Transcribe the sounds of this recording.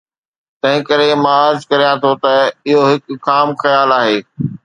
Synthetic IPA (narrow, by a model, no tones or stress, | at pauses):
t̪ɐ̃ɦɪ̃kɐɾemɐaːd͡ʑkɐɾijãt̪ʰot̪ɐɪɦoɦɪkːaːmxɐjaːlaːɦeː